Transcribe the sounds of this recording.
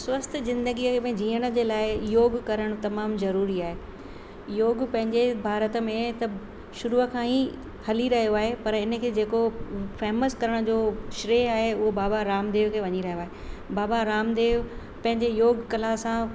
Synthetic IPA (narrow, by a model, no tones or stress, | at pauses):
swɐst̪ʰzɪ̃nd̪əɡiəkʰebɐ̃d͡ʑiːəɽ̃ə̆d͡ʑeːlaːɪjoːɡkɐɾəɽ̃t̪ɐmaːmzɐɾuːɾiaːɦe | joːɡpɐ̃ɦɪ̃ɲd͡ʑebʱaːɾət̪ə̆mẽt̪ɐ | ʃʊɾuːəkʰãːi | hɐliɾɐɦijoaːɦepɐɾɪnə̆kʰeːd͡ʑeːkofɛːməskɐɾəɽ̃d͡ʑoːʃɾeːɦaːɦeʊɦobaːbaɾaːmd̪eːʋkʰeːʋɐɲiɾɐɦjoaːɦebaːbaɾaːmd̪eːʋ | pɐ̃ɦɪ̃ɲd͡ʑejoːɡkɐlasã